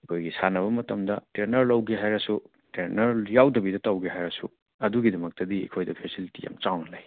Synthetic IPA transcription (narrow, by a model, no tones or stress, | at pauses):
ekʰojɡisanɐβɐmɐtɐmdɐteɾnɐɾlɐwɡeɦajɾɐsu | teɾnɐɾjawdɐbidɐtɐwɡeɦajɾɐsu | ɐduɡidɐmɐk̚tɐdiḛkʰojdɐpʰesilitija̰mt͡ʃawnɐlɐj